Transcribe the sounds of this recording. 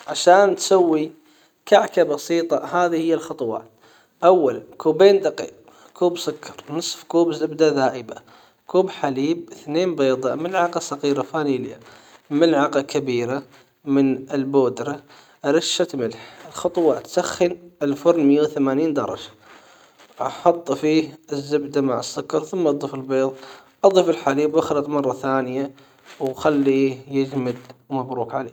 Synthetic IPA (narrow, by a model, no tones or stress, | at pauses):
ʕaʃaːnt̪sawːi | kaʕkabɑsiːt̪ˤɑhaːðihɪjːalxɑt̪ˤwɑ̰ːt | ʔawːalkuːbeːnd̪aqḭːq̚ | kuːbsʊkːɑɾˤnɨsˤfkuːbzʔɪbd̪aðaːʔɪba | kuːbħaliːb̚θneːnbeːd̪ˤɑmɪlʕɑqɑsɑqiːɾafaːniːlja̰mɪlʕaqakabiːɾa | mɪnɪlboːd̪ɾa | ɾɪʃːat̪mɪlħɪlxɑt̪ˤwɑt̪saxːɪnɪlfʊɾnmjuːθamaːniːnd̪ɑ̰ɾˤɑ̰d͡ʒḁ | ʔɑ̰ħɑt̪ˤːfiːɪzːɪbd̪amaʕɪsːʊkɑɾˤθʊmːaʔɑd̪ˤiːfɪlbeːðˤʔɑðˤiːfɪlħaliːbwʔaxalɑt̪ˤmɑrˤːɑθaːnɪja | wxalːijɪd͡ʒmɪd̪mabɾuːkʕalḛː